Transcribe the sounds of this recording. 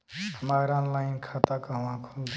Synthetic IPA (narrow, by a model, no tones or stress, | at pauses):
həmaːɾaːnlaːɪnkʰaːt̪akaʋãkʰold̪